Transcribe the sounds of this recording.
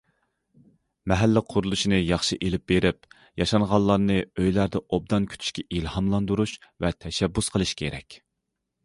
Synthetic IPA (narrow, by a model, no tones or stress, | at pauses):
mɛɦælːɪqʰʊɾulˠuʃinɨjɑχʃiʔelɪp̚beɾɪp̚ | jɑʃɑnʁɑlˠːɑɾnɨøjlæɾd̪ɛʔob̚d̪ɑnkʲʰy̥t̪ʰy̥ʃkʲʰɛʔilhɑmlˠɑnd̪uɾuʃvɛt̪ʰɛʃɛbːusqʰəlˠɨʃkʲʰeɾɛ̰kʲ